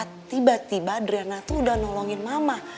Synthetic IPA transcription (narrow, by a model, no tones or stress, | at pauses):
at̪ːibat̪ibadɾianat̪uːdahnɔlɔŋɪnmamah